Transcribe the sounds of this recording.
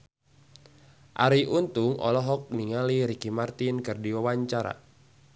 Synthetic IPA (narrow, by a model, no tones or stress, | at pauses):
ʔa̰ɾiʔunt̪uŋɔ̰lɔɦɔk̚niŋaliɾikimart̪inkɨrdiwawaɲt͡ʃaɾa̰